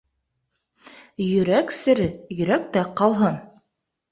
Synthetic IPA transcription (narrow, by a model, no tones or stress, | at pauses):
jɵ̆ɾæksɘ̆ɾɘjɵ̆ɾæk̚t̪æqɑlˠɦɤn